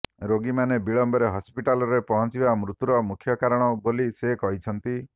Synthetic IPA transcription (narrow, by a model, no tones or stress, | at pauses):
ɾoɡimanebiɭɔmbɔɾeɦɔspiʈalɔɾepɔɦɔnt͡ʃibamɾut̪uɾɔmukʰjɔkaɾɔɽ̃ɔbolisekɔɦit͡ʃʰɔnt̪i